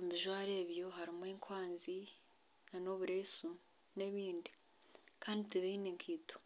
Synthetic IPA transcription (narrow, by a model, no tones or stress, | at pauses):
miʒwaːɾe̞ːβjo̞ɦaɾimweːŋkwaːnzi | nano̞βuɾeːsu | ne̞βiːndi | kaːnditiβeineŋkʰiːto̥